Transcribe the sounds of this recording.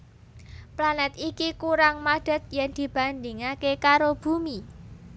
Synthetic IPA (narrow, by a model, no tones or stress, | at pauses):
planɛt̪ikikuɾaŋmad̥ə̤t̪̚jɛnd̪̥i̤b̥a̤nd̪iŋakekaɾob̥ṳmi